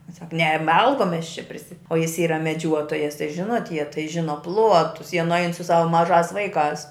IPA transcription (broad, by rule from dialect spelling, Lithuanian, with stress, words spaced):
ˈsɐk nʲɛ ˈmɐlˠkoːm ˈmʲɛs t͡ʃʲɛ pʲrʲɪsʲɪ oː jɪs ˈiːrɐ mʲɛˈd͡ʒʲuɔtoːjɛs tɐɪ ˈʒʲɪnoːt jiɛ tɐɪ ˈʒʲɪnoː ˈplˠuɔtʊs jiɛ nʊˈɐɪn sʊ ˈsɑːʋɐ mɐˈʒɑːs ˈʋɐɪˌkɑːs